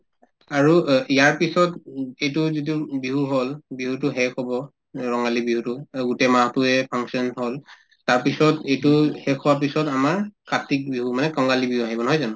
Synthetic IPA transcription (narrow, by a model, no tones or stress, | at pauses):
aɹuijaɹpisɔtejtʊzidubiɦuɦolbiɦutʊɦɛkɔbɔ | ɹɔŋɡalibiɦutʊɡutɛmaɦtʊɛpʰaŋsɔnɦol | taɹpisɔtejtʊhɛkʰɔwap̬isɔtamaɹkatik̚biɦumanɛkɔŋɡalibiɦuaɦibɔnɔɦɔjzanʊ